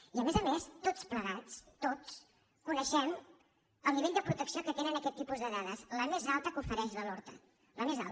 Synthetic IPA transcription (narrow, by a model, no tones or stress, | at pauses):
iəmezəmest̪ot͡spləɣat͡st̪ot͡s | kunəʃɛm | əlˠmiβeʎʲd̪əpɾut̪əksiokət̪enənəkɛt̪ːipuzðəðaðəsləmezalˠt̪əkufəɾɛʃðəlɔɾt̪ə̰ | ləmeza̰lˠ